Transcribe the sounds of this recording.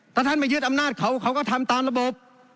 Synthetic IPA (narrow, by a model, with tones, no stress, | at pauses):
t̪ʰɛ˧˩t̪ʰa˥˩ma˧˩jɯ˥˩ət̪̚ʔa˧mnaː˥˩t̪̚kʰa˧˩wkʰa˧˥wkɔː˥˩t̪ʰa˧mt̪aː˧mla˧bo˨˩p̚